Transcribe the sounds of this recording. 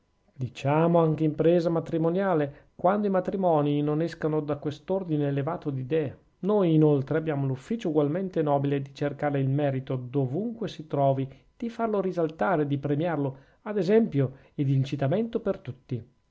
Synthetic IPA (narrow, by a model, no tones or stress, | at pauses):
d̪it͡ʃaːmoaŋkeimpɾɛːzamat̪ɾimonjaːlekwand̪oimat̪ɾimɔːninonɛskanod̪akwest̪ord̪ineːlevaːt̪od̪id̪ɛːa | nojːnolt̪ɾeabjaːmolufːiːt͡ʃouɡwalment̪enɔːbiled̪it͡ʃerkaːɾeilmɛːɾit̪od̪ovuŋkwesit̪ɾɔːvi | d̪̥ifarloɾizalt̪aːɾed̪ipɾemjarlo | ad̪ezɛmpjo | ed̪int͡ʃit̪ament̪opert̪ut̪ːi